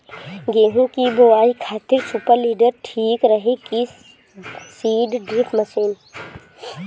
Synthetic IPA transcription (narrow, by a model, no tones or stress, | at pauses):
ɡeːɦũkiboʋaːikʰaːt̪ɪɾsupəɾliːɖəɾʈʰiːkɾəɦeki | siːɖɖiːpʰməsiːn